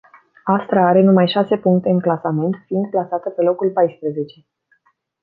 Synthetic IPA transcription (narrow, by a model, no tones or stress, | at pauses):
ast̪ɾaaɾe̞numajʃase̞puŋk̚t̪e̞ɨŋklasame̞nt̪fiɨnd̪̚plasat̪əpe̞lo̞kulpajspɾəze̞t͡ʃe̞